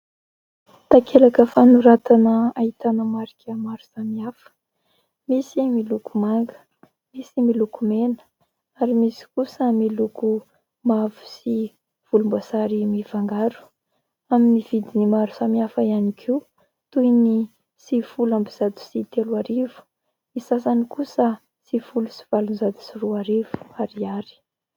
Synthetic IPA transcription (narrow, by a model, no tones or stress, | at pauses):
t̪akʰeɾakəfanuɾat̪anəait̪anəmaɾikʲəmaɾu̥samiafə̥ | misimilukumaŋɡə | misimilukumenə̥ | aɾimisi̥kusəmiluku | mavu̥si | v̥ulumbasaɾimivaŋɡaɾu̥ | aminiv̥id̪inimaɾu̥samiafaianikʰiu | t̪ujni | sifulambiz̥ad̪u̥sit̪eluaɾivu̥ | misasanikusə | sifulusi̥v̥alunzad̪u̥siruaɾivu̥aɾiaɾi̥